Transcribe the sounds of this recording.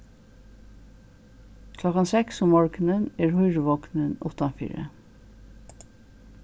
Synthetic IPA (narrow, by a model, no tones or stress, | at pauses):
kʰlɔkɑnsɛksɔmɔɹknəneːɹhʊʏɹʋɔknənʊ̰t̪ɑnfḭːɹə̰